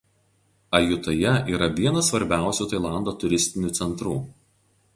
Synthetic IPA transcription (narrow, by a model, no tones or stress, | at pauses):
ɐjʊt̪ɐjɛiːɾɐʋʲiɛnɐsʋɐɾʲbʲæˑʊsʲuːt̪ɐɪlˠɑˑnd̪oːt̪ʊɾʲɪsʲt̪ʲɪnʲuːˑt̪sʲɛnt̪ɾuː